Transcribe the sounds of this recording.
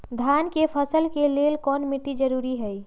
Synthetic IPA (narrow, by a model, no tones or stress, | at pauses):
d̪ʱankepʰəsəlkelelkɔnmiʈid͡ʒəɾuɾiɦəj